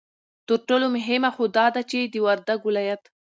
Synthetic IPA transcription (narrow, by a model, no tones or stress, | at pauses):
t̪əɾʈolomʊɦɪmaxod̪ɑd̪at͡ʃed̪əwaɾd̪aɡʊlɑjat̪